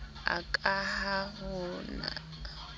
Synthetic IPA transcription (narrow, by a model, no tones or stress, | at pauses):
a̰kʼahahʊna̰